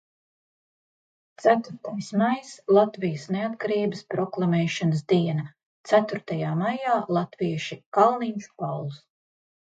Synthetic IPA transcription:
t̪sæt̪uɾt̪ajsmajslˠat̪vijəsneat̪kaɾiːbəspɾɔklˠamɛːʃɔnəsd̪iɛnɐ | t̪sæt̪uɾt̪ajaːmajaːlˠat̪viɛʃikalˠniːɲʃu̥pawlˠs

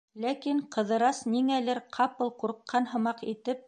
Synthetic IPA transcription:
lækiɴqɤ̆ðɤ̆ɾɑsniŋælɘɾqʰɑpɤlˠquɾqːɑnɦɤ̆mɑqit̪ɘp̚

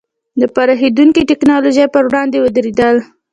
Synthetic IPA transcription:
d̪əpɑɾɑxid̪uŋkiʈɪknɑloʒajpəɾwɽɑnd̪ewəd̪ɾed̪əl

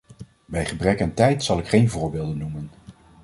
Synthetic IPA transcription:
bɛjχəbrɛkɛntɛjtsɑlˠɪkχejnvʊːɹbɪːlˠdənːumən

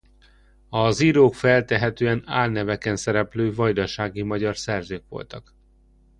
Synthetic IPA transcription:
ɒziɾoːkfɛlt̪ɛɦɛt̪øːɛna̰ːlnɛvɛkɛnsɛɾɛpløːvɒjd̪ɒʃaːɡimɒɟɒrsɛrzøːkʋo̞̰lt̪ɒk

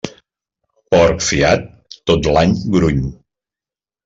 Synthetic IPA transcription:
pɔɾkfiat̪ː | ot̪laɲɡɾuɲ

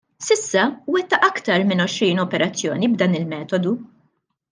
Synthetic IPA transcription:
sɪsːɐwɛt̪ːɐʔɐkt̪ɐɾmɪnɔʃɾiːnɔpɛɾɐt͡sːjɔːnibd̪ɐːnɪlmɛːt̪ɔd̪u

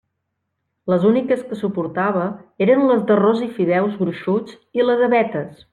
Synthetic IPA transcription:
ləzunikəskəsupuɾt̪aβ̞əeɾənlət̪ərozifiðɛwzɣɾuʃud͡z | iləɣəβɛt̪əs

